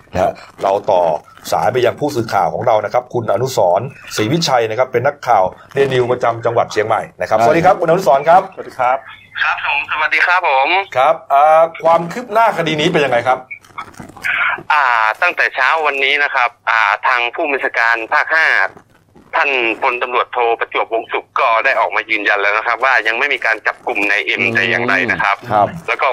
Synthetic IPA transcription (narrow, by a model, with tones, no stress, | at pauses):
na˦˥ɾa˧wt̪ɔː˨˩sa̰ː˩˦np̬a˧ja˧ŋpʰuː˥˩sɯː˨˩kʰa̰ː˨˩wkʰɔː˩˦ŋɾa˧wna˦˥kʰa˦˥p̚kʰu˧nʔa˧nu˦˥sɔː˩˦nsiː˨˩˦wi˦˥t͡ɕʰa˧jna˦˥kʰa˦˥pːe˧nːa˦˥kʰːaː˨˩wli˧ənːi˧wpɾa˧t͡ɕa˧mt͡ɕa˧ŋwa˨˩t̪̚t͡ɕʰi˧əŋma̰˨˩jna˦˥kʰa˦˥sdiː˧kʰa˦˥p̚kʰu˧nʔa˧nu˦˥sɔː˨˦nkʰɾa˦˥p̚ːa˦˥p̚ | kʰo˨˦msa˧a˨˩t̪̚diː˧kʰa˦˥pʰːo˨˩˦mkʰɾa˦˥p̚ʔaː˨˩kʰwaː˧mkʰɯ˦˥p̚naː˥˩kʰa˧diː˧niː˦˥pe˧njaː˧ŋːa˧jkʰa˦˥p̚ | ʔaː˨˩t̪a˥˩ŋt̪ɛː˨˩t͡ɕʰaː˦˥wːa˧nːiː˦˥na˦˥kʰa˦˥p̚ʔaː˨˩t̪ʰaː˧ŋpʰuː˥˩ma˥˩sʰaː˧kaː˧npʰaː˥˩k̚haː˥˩ | t̪ʰa˥˩npʰo˧nt̪a˧mɾu˨˩ət̪ʰːoː˧pa˧t͡ɕu˨˩əp̚wo˧ŋsu˨˩k̚kɔː˥˩daː˥˩jʔɔː˨˩k̚maː˧jɯː˧nja˧nlɤː˧jna˦˥kʰa˦˥p̚waː˥˩ja˧ŋma˥˩jmiː˧kaː˧nt͡ɕa˨˩p̚ku˨˩mna˧jʔe˧mt̪ɛː˨˩jaː˨˩ŋɾa˧jna˦kʰa˦˥p̚lɛː˦˥wkɔː˥˩